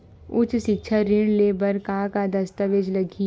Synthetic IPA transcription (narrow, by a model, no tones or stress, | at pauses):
ʊt͡ʃʃɪkʃʰaɾɪɽ̃leːbəɾkaːkad̪ɐst̪əʋed͡ʒlɐɡʱi